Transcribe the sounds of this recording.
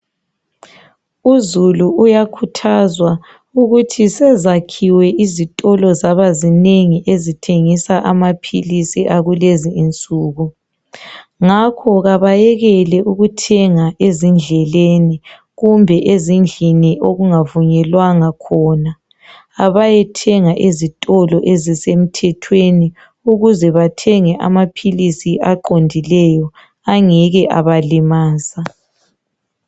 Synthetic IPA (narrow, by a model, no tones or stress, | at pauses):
uzuluujakʰutʰazwa | uɣutʰisɛzakʰiwɛʔizitʼɔlɔzaβazineŋiʔezitʰeŋisaʔamapʰilisiʔaɣuleziːnt͡sʼuːɣu | ŋakʰɔɣaβajɛɣɛlɛʔuɣutʰɛŋaʔezind͡ɮʱɛleni | ɣumbʱɛʔezind͡ɮʱiniʔoɣuŋavuɲɛlwaŋakʰɔːna | aβajɛtʰɛŋaʔezitʼɔlɔʔezisem̩tʰɛtʰweni | uɣuzɛβatʰɛŋɛʔa̰mapʰilisiaǃondʱilɛjɔ | aŋɛɣɛʔaβalimaːsa